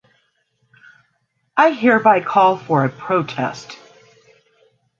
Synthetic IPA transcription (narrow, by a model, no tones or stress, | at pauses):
ʔaɪɦiɹbaɪkʰɔlˠfə˞ɨpʰɹ̥oʊtʰɛ̰st